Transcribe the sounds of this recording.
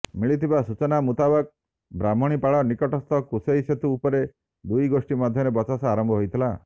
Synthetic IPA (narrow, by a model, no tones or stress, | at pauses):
miɭit̪ʰibasut͡ʃɔnamut̪abak̚ | bɾamɔɽ̃ipaɭɔnikɔʈɔst̪ʰɔkusejset̪uːpɔɾe | d̪ujɡosʈimad̪ʱjɔɾebɔt͡ʃasaaɾɔmbʱɔɦojt̪ʰila